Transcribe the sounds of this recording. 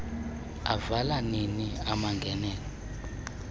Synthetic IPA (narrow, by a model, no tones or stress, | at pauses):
a̰valaniniamaŋɡʱɛnɛːlɔ